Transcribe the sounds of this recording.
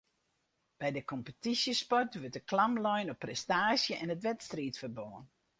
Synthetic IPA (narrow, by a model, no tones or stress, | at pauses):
b̥ɛjdəkɔmpətisjəspɔrtʋøtəklamlɔjnɔpːrɛstaːsjəʔɛnətʋɛtstriːtfərboːən